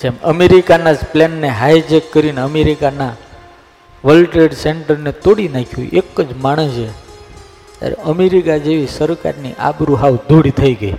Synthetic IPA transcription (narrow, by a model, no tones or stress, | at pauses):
d͡ʒemə̰meɾikanad͡ʒplɛnːeɦajd͡ʒekːəɾineəmeɾikana | ʋəlʈɾeɖsɛɳʈəɾnet̪oɽinakʰjũʔekːəd͡ʒmaɽ̃əd͡ʒʰe | t̪ja̰ɾḛəmeɾikad͡ʒeʋisəɾka̰ɾnḭʔa̰bɾuɦaʋd̪ʱoɽit̪ʰəiɡəi